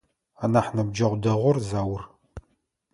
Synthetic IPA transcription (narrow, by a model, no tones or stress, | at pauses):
anaːħnɐb̚d͡ʒɐʁʷdɐʁʷɔrzaːwʊr